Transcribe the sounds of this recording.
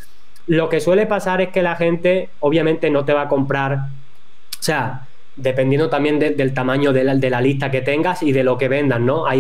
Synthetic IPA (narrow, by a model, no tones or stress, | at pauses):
lo̞ke̞swe̞le̞pasaɾe̞ske̞laxe̞nt̪e̞ | o̞β̞jamẽnt̪e̞no̞t̪e̞β̞ako̞mpɾaɾ | sea | d̪e̞pe̞njend̪ot̪ambje̞nd̪ed̪e̞lt̪amãɲoðed̪e̞lalist̪ake̞t̪e̞ŋɡasiðe̞lo̞ke̞βẽ̞nd̪anːo̞a